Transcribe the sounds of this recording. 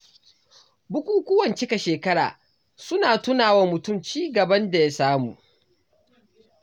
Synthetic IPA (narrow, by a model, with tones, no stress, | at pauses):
bʊ˦kʷuː˦kʷʊ˦wɐ˨nt͡ʃɪ˦ka˨ʃeː˨kɐ˦ɽa̰ː˨ | sʊ˦naː˨tʊ˦naː˨wa˦mʊ˨tʊ˦˨mt͡ʃiː˦ɡɐ˨bɐ˦nda˨ja˦saː˦muː˨